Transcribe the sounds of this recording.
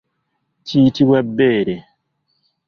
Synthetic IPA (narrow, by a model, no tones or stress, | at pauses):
tʰiːtiwɛbːeːɾe